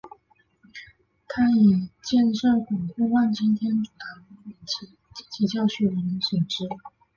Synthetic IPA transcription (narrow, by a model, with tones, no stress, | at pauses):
t̪ʰa˥i˨˩t͡ɕjɛ˥˧nʂɤ˥˩kʊ˨˩ŋkʰu˥˧wa˥˩nt͡ɕʰi˥nt̪ʰjɛ˥nʈ͡ʂu˨˩t̪ʰa˧˥ŋ˧˥i˨˩nt͡ɕi˧˥ | t͡ɕi˨˩t͡ɕʰi˧˥t͡ɕjɑ˥˩ʊɕy˥˩ɻə˧˥ni˧˥swɛ˨˩nʈ͡ʂɻ̩˥